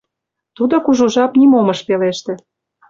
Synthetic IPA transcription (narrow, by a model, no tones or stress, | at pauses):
t̪ud̪okuʒuʒɑpnimomɤ̆ʃpeleʃt̪ĕ